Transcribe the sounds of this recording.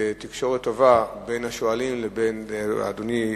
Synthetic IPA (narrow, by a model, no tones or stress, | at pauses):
etikʃo̞ʁetːovabe̞jnhaʃoalimlebenad̪oni